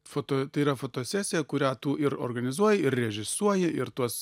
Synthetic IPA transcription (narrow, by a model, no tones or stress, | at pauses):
fot̪oːt̪ɐiːɾɐfoːt̪oːsʲæːsʲɪjɛkʊɾʲæːt̪uːɪɾo̰rɡɐnʲɪzuɔjɛɪɾrʲɛʒʲɪsuɔjɛʔɪɾt̪uɔs